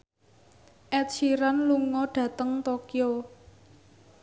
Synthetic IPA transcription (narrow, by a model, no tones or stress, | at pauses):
ʔɛtt͡ʃiɾanluŋɔɖ̥ä̤t̪əŋt̪okjo